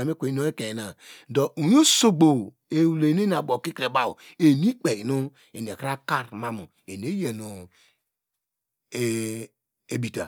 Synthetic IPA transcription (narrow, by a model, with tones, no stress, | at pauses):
e˨mi˦kʷe˨i˦no˦e˦ke˨na˨do˨ʔu˨jo˦so˨ɡ͡bo˨ | e˨wle˨ne˦a˨bo˨ki˦kɾe˨ba˦˨ṵ˨e˨mi˦k͡pe˨nu˦ | e˨n˨e˨ka˦ka˦ɾma˦mu˨ | e˨ne˦je˨nu˨ | e˨ | e˨bi˨ta̰˨